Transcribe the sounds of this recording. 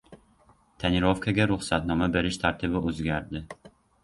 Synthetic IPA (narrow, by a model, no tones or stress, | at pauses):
t̪ʰaniɾofkʰaɡʲaɾʊχsat̪nɒmabe̞ɾɪʃt̪ʰaɾt̪ʰɪbɪʔɵzɡʲæɾd̪ɪ